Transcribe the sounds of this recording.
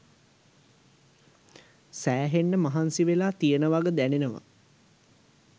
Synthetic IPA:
sæːɦenːəmaɦansiʋelaːt̪ijənəʋaɡəd̪ænenəʋa̰

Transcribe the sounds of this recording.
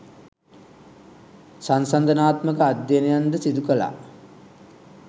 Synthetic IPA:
sansand̪ənaːt̪məkəad̪jenəjand̪əsid̪ukəla̰

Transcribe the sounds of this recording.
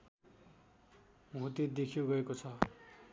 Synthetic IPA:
muɦt̪id̪ekʰijoɡʌekot͡sʰʌ

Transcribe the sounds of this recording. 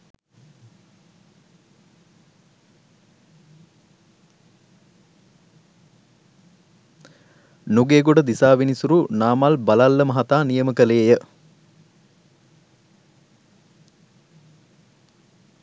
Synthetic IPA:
nuɡeːɡoɖəd̪isaːʋinisuɾunaːmalbɐlalːəmɐɦat̪aːnijəməkəleːjə

